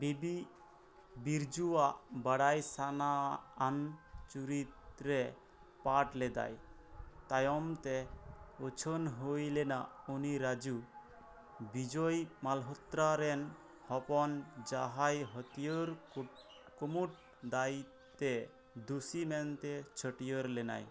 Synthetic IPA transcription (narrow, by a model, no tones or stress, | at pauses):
bibi | biɾd͡ʒuwaʔbaɽajsanaːnt͡ʃuɾit̪ɾɛ | paʈlɛd̪a̰j | t̪ajɔmt̪ɛot͡ʃʰonɦojlɛna | uniɾad͡ʒu | bid͡ʒɔjmalɦɔt̪ɾaɾɛn | hɔpɔnd͡ʒaɦajɦɔt̪ijoɾ | kumuʈ̚ | d̪aj | t̪ɛ | d̪usimɛnt̪ɛt͡ʃʰəʈijɔɾlɛna̰j